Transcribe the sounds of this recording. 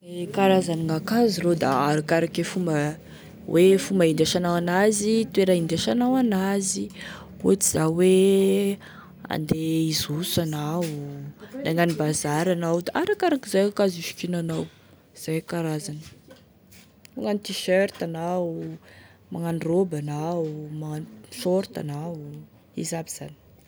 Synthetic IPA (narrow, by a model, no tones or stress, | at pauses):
ekaɾazaniŋakazirod̪a̰aɾakaɾakefumbə | wʔefumbaind̪aʃanawanazit̪weɾaind̪aʃanawanazi | ot͡siz̥awe | a̰nd̪eizusana | naŋanibazaɾanawd̪aʔaɾakaɾakizajakaziʃi̥kinanaw | z̥ajkaɾazanə̥ | maŋanit̪iʃøɾt̪anau | maŋanrobanaumaaʃoɾt̪a̰na | izabiz̥a̰ni̥